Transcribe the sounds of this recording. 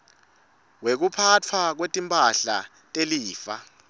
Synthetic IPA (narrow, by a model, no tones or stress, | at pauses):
wek̬upʰat͡fʰwak̬wetʼimpʼaɬa | tʼeliːfa